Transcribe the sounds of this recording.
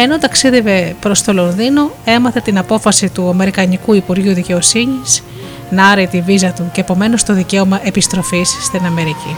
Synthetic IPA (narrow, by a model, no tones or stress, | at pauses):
e̞no̞t̪ɐksiðe̞ve̞pɾo̞st̪o̞lo̞nðino̞e̞mɐθet̪inɐpo̞fɐsit̪uɐme̞ɾikɐnikuipuɾʝuðice̞o̞siɲis | nɐɾet̪ivizɐt̪uce̞ːpo̞me̞no̞st̪o̞ðice̞o̞mɐʔe̞pist̪ɾo̞fisːt̪inɐme̞ɾici